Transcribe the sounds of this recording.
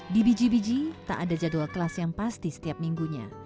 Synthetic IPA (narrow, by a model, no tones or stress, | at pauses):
dibid͡ʒibid͡ʒit̪a̰ʔadad͡ʒad̪uakəlasjaŋpast̪isə̥t̪iap̚miŋɡuɲa̰